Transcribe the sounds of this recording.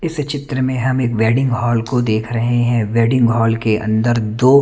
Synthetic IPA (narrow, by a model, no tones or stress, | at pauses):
ɪst͡ʃɪt̪ɾəmẽɦɐmeːkʋɛːɖɪ̃ŋɡɦɔːlkod̪eːkʰɾɐɦeɦɛ̃ʋɛːɖɪ̃ŋɡɦɔːlkeʔɐ̰̃nd̪əɾd̪oː